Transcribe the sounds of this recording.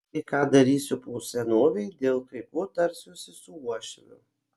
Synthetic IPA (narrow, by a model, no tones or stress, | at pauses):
ɐɪkɑːd̪ɐɾʲiːsʲʊpuʊsʲɛnoːʋʲɛɪd̪ʲeːlˠkɐɪpuːt̪ɐɾʲsʲʊsʲɪsʊuɔʃʲɪnʲʊ̰